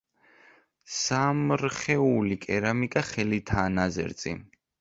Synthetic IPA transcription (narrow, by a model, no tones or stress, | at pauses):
samɾχɛulikʼɛɾamikʼaχɛlit̪ʰaːnazɛ̰ɾt̪sʼḭ